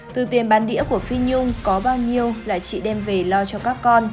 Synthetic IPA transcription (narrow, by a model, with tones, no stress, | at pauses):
t̪ɨ˨˩t̪i˨˩ənɓaː˨˦nɗḭ˧˥ku˧˩əfi˧ɲʊ˧ŋ͡mkɔ˨˦ɓaː˧wɲi˧əwla̰ː˧˨t͡ɕḭ˧˨ɗɛ˧mve˨˩lɔ˧t͡ɕɔ˧kaː˦˥kːɔ˧n